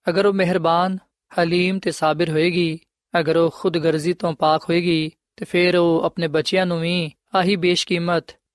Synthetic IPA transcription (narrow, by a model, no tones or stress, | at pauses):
ɐɡəɾoːmɛɦɪɾbaːn | hɐliːmt̪esaːbɪɾɦoːeːɡiː | ɐɡəɾoːxʊd̪ɡəɾzit̪õːpaːkɦoːeːɡiː | t̪eːpʰɪɾoːɐpneːbɐt͡ʃijãːnũːʋĩː | aːɦiːbeːʃkiːmət̪